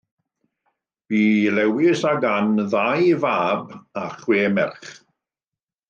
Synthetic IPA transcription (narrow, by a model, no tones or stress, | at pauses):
v̥iːlɛwɪsaɡanðajvaːbaχweːmɛ̰rχ